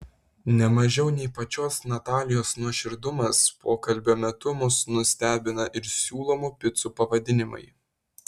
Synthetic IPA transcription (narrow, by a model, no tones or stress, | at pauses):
nʲɛmɐʒʲɛʊnʲɛɪpɐt͡ʃʲoːsnɐt̪ɑːlʲɪjoːsnuɔʃʲɪɾd̪ʊmɐspoːkɐlʲbʲoːmʲɛt̪ʊmʊsnʊsʲt̪ʲæːbʲɪnɐʔɪɾsʲuːlˠoːmupʲɪt̪suːpɐʋɐd̪ʲɪnʲɪmɐ̰ɪ